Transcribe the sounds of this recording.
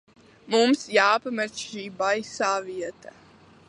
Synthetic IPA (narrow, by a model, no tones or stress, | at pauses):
mumsjaːpamɛɾsʃiːbajsaːviɛt̪a